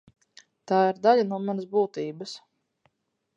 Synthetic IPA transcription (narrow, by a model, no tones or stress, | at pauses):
t̪aːiɾd̪alʲanuɔmanəsbuːt̪iːbəs